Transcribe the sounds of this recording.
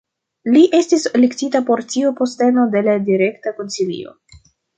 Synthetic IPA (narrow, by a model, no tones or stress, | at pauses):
liʔe̞stislektitapo̞ɾt͡siopo̞ste̞no̞de̞ladiɾe̞ktako̞nsilḭo̞̰